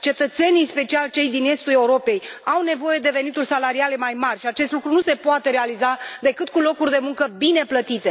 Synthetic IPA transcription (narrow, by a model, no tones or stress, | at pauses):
t͡ʃe̞t̪ət̪se̞nijspe̞t͡ʃialt͡ʃe̞jd̪ine̞st̪ule̞uɾo̞pe̞jawne̞vo̞je̞d̪e̞ve̞nit̪urʲsalaɾiale̞majmarʲʃiat͡ʃe̞st̪lukɾunuse̞poat̪e̞ɾe̞alizad̪e̞kɨt̪̚kulo̞kurʲd̪e̞muŋkəbine̞plət̪it̪e̞